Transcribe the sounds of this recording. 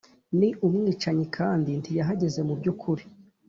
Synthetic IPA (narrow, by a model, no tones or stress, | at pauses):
niʔumŋiːt͡ʃaɲikʰaːndintʰijaɦaɟe̞ze̞mubɟukʰuɾi